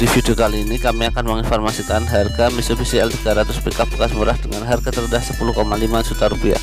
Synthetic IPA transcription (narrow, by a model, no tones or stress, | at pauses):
difidiokaliːnikamiakanməŋinfɔrmasikanɦarɡamisofisiɛlt̪iɡaɾat̪ʊspikapːkasmuɾahdəŋanɦarɡat̪ərdahsə̥puluhkomalimansut̪aɾupia̰